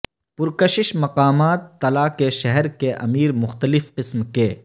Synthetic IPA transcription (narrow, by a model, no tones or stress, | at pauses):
pʊɾkɐʃɪʃmɐqaːmaːt̪ːɐlaːkeʃɛɦɛɾkeʔɐ̰miːɾmʊxt̪əlɪfqɪsmkeː